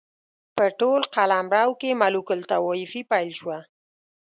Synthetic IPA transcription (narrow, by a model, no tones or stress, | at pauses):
pəʈolqalamɾɑwkemalukʊlt̪awɑɪfipajlʃwa